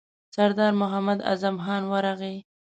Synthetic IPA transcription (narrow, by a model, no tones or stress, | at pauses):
saɾd̪ɑɾmʊɦamad̪a̰zamxɑnwəɾaɣe